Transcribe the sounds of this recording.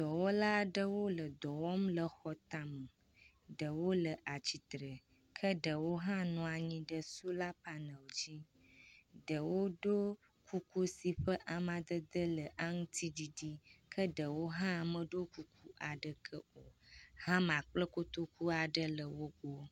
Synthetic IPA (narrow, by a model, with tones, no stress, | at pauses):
d̪̥ɔ˨wɔ˦la˦ɖə˦wo˦lə˨d̪ɔ˨wɔ˦mlə˨xɔ˨t̪a˨mə˨ | ɖə˨wo˦lə˨ʔa˨t͡ɕi˨t̪ɾə˨ | kʰə˦ɖə˨wo˦ɦã˦nɔ̃˨a˨ɲĩ˦ɖə˦su˦la˦pa˨nə̃˨wd͡ʑi˦ | ɖə˨wo˦ɖo˦ | kʰu˦ku˦si˨ɸə˦ʔa˨mã˨d̪ə˦d̪ə˦lə˨ʔa˦ŋũ˦t̪ʰi˦di˦di˦kʰə˦ɖə˨wo˦ɦã˦˨mə˨ɖo˦ku˦kʰu˦ʔa˨ɖə˨kʰə˦o˨hã˦mã˨k͡plə˦ko˦t̪o˦kʰu˦a˨ɖə˦lə˨wo˦ɡo˦